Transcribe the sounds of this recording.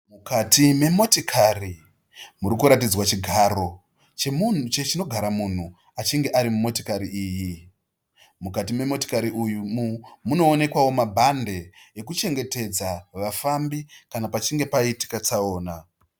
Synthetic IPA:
mukatime̞mo̞tikʰari | muɾikuɾat̬id͡zwat͡ʃiɡʱaɾo̞ | t͡ʃemun̤ut͡ʃet͡ʃino̞ɡʱaɾamun̤u | at͡ʃiŋɡe̞ʔaɾimumo̞tikaɾiiːji | mukatime̞mo̞ti̥kaɾiʔujumumuno̞ːne̞kwawo̞mabʱande̞ːkut͡ʃe̞ŋɡe̞te̞d͡zaʋafambikanapat͡ʃiŋɡe̞paiti̥kat͡saoːna

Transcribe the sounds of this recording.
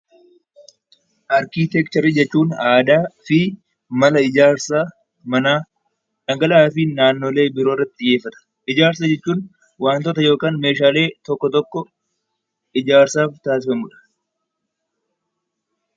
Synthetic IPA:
ʔaːɾkiːt̪ɛkt͡ʃ̪ɐɾid͡ʒɛt͡ʃːuːnaːd̪aːfɪ | mɐlɐɪd͡ʒaːɾsaː | mɐnaː | ᶑɐŋɡɐlaːfɪnaːnːo̞ːle̞ːbɪɾoːɪrːɐt̪ːɪɪjːeːfːɐt̪ɐ̥ | ʔɪd͡ʒaːɾs̬ɐd͡ʒɛt͡ʃːuːn | waːnt̪ɔt̪ɐjo̞ːkaːnme̞ːʃaːle̞ːt̪ɔkːɔt̪ɔkːɔ | ɪd͡ʒaːɾsaːft̪aːsɪfɐmʊᶑɐ̥

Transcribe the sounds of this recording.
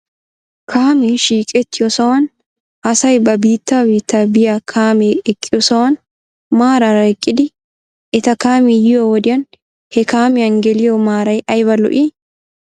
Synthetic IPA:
kʰaːmɛʃiːkʼɛt̪ːɪjɔsɐwɐn | ʔɐsɐjbɐbiːt̪ːaːbiːt̪ːaːbɪjakʰaːmeɛkʼːɪjɔsɐwɐn | maːɾɐɾɐɪkʼːɪd̪ɪ | ɪt̪ɐkaːmɛjɪjowɔd̪ɪɐn | hɛkaːmɪɐŋɡɛlɪjomaːɾɐjʔɐjbɐlʊ̰ʔi

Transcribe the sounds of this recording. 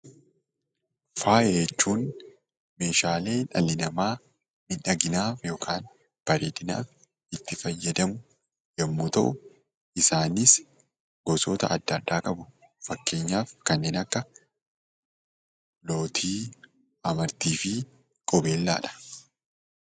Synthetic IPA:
faːjɛt͡ʃːuːn | me̞ːʃaːle̞ːᶑɐlːɪnɐmaː | mɪᶑɐɡɪnaːfjo̞ːkʰaːn | b̥ɐɾeːd̪ɪna̰ːf | ɪt̪ːɪfɐjːɐd̪ɐmʊ | jɐmːuːt̪ɐ̰ʔʊ | ʔɪsaːnɪs | ɡɔsoːt̪ɐ̰ʔɐd̪ːɐd̪ːaːkʼɐbʊfɐkːe̞ːɲːaːfkɐnːeːnɐkːɐ | lo̞ːt̪ʰiː | ɐmɐɾt̪iːfɪ | kʼɔbe̞ːlːa̰ːᶑɐ̥

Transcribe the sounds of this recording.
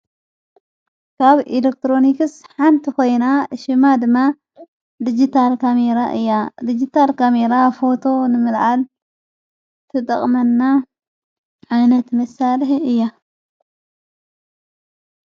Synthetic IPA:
kʰaβilek̚t̪ɾo̞nikɨsħant̪ʰiko̞jnaʃɪmad̪ɨmːa | d̪id͡ʒit̪ʰalkʰameɾaʔɨ̰jːad̪id͡ʒit̪ʰalkʰameɾafo̞t̪ʰo̞nɨmɨlʕal | t̪ʰɨt̪ʼɐ̰χʼmɐnːa | ʕajnɐt̪mɐsalɨħɨjːa

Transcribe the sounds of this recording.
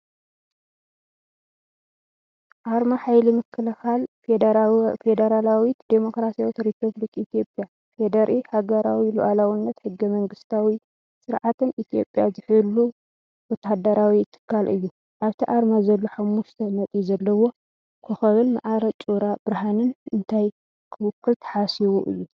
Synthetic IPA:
ʔaɾmaħajlimɨkʰːɨlɐxal | fed̪ɐɾalawit̪d̪emo̞kɾasijawt̪ɾipʰɐβlikʰʼit̪ʰijo̞pʼja | fed̪ɐɾʔihaɡɐɾawiluʔalawɨnːɐt̪ħɨɡːɐmɐŋɡɨst̪ʰawi | sʼɨɾʕat̪ʰɨnʔit̪ʰijo̞̰pʼjazɨħɨlːu | wɔt̪ad̪ɐɾawiɨt̪ʰːɨ̥kʰːalʔɨjːu | ʔaβt̪ʰiʔaɾmazɐlːoħamːuʃt̪ʰɐmɐt̪ʼizɐlːɐwo̞ | kʰuxɐβɨnma̰ʕaɾɐt͡ʃʼuɾab̥ɨɾɦanɨnɨnt̪ʰaj | kʰɨwʊkːɨlt̪ʰɐ̥ħasiβuʔɨ̰jːu

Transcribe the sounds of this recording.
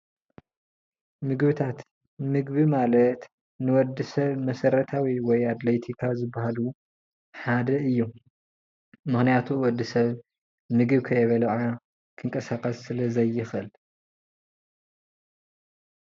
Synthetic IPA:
mɨɡβɨt̪ʰat̪ | mɨɡβimalɐt̪ | nɨwɔd̪ːɨsɐβmɐsɐɾɐt̪ʰawiwɔjad̪let̪ʰikʰazɨbːahalu | ħad̪ɐɨjːu | mɨxnijat̪ʰuwɔd̪ːɨsɐβ | mɨɡɨβkʰɐjɛβɐlɐʕa | kʰɨŋkʼɐsakʼɐsːɨlɐzɐjːɪxɨl

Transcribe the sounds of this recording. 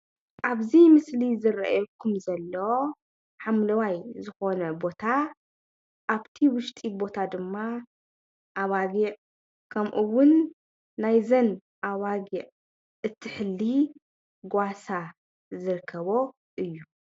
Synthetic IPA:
ʔaβzimɨslizɨɾaʔa̰jokʰumzɐlːɐwo | ħamlɐwajzɨxo̞nɐbo̞t̪ʰa | ʔaβt̪ʰiwʊʃt̪ʼibo̞t̪ʰad̪ɨmːa | ʔaβaɡiʕ | kʰɐmʔuwʊnː | ajzɐn | ʔaβaɡiʕ | ʔɨt̪ʰːɨħɨlːi | ɡʷasa | zɨɾkʰːɐβo̞ | ʔɨjːu

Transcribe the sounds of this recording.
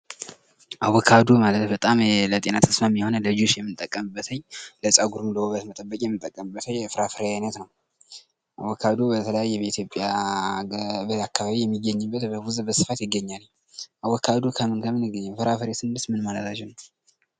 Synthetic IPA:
ʔawɔkʰad̪omalət̪bət̪ʼamlət̪ʼe̞nat̪ʰəsmamijɛhonələd͡ʒoʃjɛmːɨnt̪ʼəkʼːəmɨbːət̪ʰəɲləsʼaɡuɾumləwɔβət̪mət̪ʼəbːəkʼjɛmːɨt̪ʼːəkʼːəmɨbːət̪ʰəjfɨɾafɨɾejajnət̪nəw | ʔa̰wɔkʰad̪obət̪ʰələjajːɛbəit̪ʰjo̞pʼːja | bəakʰːaβaβijɛmːiɡəɲːɨbːət̪əɡuzbəsɨfat̪jɪɡːəɲːalɲ | ʔawɔkʰːad̪okʰəmɨnkʰəmɨnɪɡːəɲːafɨɾafɨɾesɨndɨst̪mɨnmalət̪ʰat͡ʃːɪn

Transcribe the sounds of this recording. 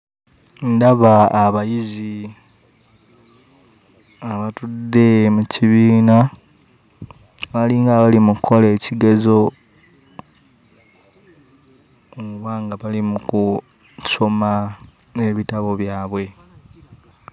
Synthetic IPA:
ndaβaːβajizi | aβatudːe̞muciβiːna | βaliŋɡaβalimukʰːo̞leːciɡe̞zo̞ | βwaːŋɡaβalimuku | so̞ma | eβitaβo̞βjaːβwe̞

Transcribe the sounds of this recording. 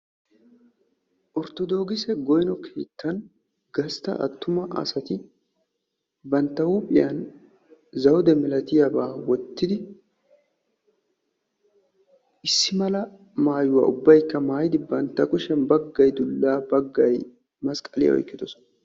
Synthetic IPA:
ʔɔɾt̪ɔd̪o̞ːɡɪsɛɡɔjnɔkʰeːt̪ːɐn | ɡ̥ɐst̪ɐ̰ʔɐ̰t̪ːʊmɐʔɐ̰sɐt̪ɪ | bɐnt̪ːɐwupʼɪjɐn | zɐwd̪ɛmɪlɐt̪ɪjɐbaːwɔt̪ːɪd̪ɪ | ɪsːɪmɐlɐ | maːjʊwa̰ːʔʊbːɐjkːɐmaːjɪd̪ɪbɐnt̪ːɐkʼʊʃɛnbɐɡːɐjd̪ʊlːaːbɐɡːɐj | mɐskʼɐlɪ̰jɐ̰ɔ̰jkːɪd̪ɔsɔn

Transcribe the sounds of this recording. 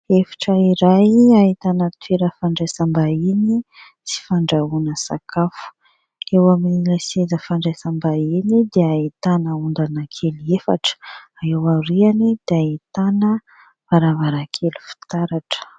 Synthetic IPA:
efi̥ʈ͡ʂəiɾajait̪anət̪weɾəfaɳɖ͡ʐajsambaini | t͡si̥faɳɖ͡ʐaunəsa̰kʰafu̥ | ewaminiləsiezəfaɳɖ͡ʐajsambainid̪eait̪anəund̪anakʰeliefaʈ͡ʂ | aewaɾianid̪̥eait̪anə | vaɾavaɾakʰelu̥fi̥t̪aɾaʈ͡ʂə̥

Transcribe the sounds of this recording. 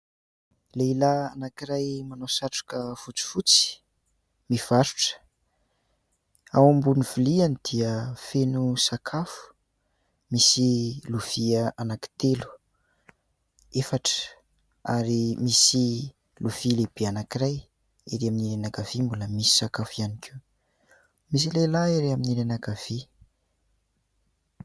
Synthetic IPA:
leilaanakiɾajmanosaʈ͡ʂu̥kəfut͡si̥fut͡si̥ | miv̥aɾuʈ͡ʂə̥ | awambunivulianid̪̥iəfenusakʰafu̥ | misiluv̥iəʔanaki̥t̪elu̥ | efaʈ͡ʂə̥ | a̰ɾimisi | luvileb̥eanakiraj | iɾeaminiɾenakav̥imbuləmisi̥sakafianikʰʲi | mis̬ilelaiɾeaminilenakav̥i

